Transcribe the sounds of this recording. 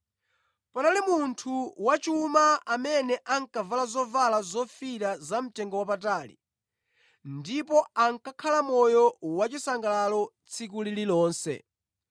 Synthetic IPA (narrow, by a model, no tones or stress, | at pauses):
panalimuntʰuwat͡ʃumaamɛnɛʔaŋkavalazɔvalazɔfiɾazam̩tɛŋɡɔwapataːlḭ | ndipɔaŋkakʰalamɔjɔwat͡ʃisaŋɡalalɔ | t͡sʰikulililɔːnsɛ̰